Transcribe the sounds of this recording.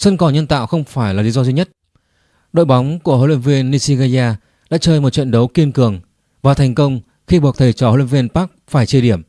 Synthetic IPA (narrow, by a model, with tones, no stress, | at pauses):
sə˧nkɔ˨˩ɲə˧nt̪a̰ː˧˨wxə˧wŋ͡mfaː˧˩jlaː˨˩li˨˦zɔ˧zi˧ɲə˦˥t̚ | ɗo̰˧˨jɓa˨˦wŋ͡mku˧˩əho̰˧lwḭ˧˥nvi˧ənːi˧si˧ɣa˧zaː˧ | ɗa̰ː˧˥t͡ɕəː˧jmo˨˩t̚t͡ɕwə̰˧˨nɗə˨˦wki˧ənkɨ˨˩əŋ | vaː˨˩wt̪ʰɛ˨˩jŋ̟kə˧wŋ͡m | xi˧ɓu˨˩ək̚t̪ʰə˨˩jt͡ɕɔ˧˩ho˧lʔnvi˧ənpaː˦˥k̚faː˧˩jt͡ɕə˧ɗi˧˩əm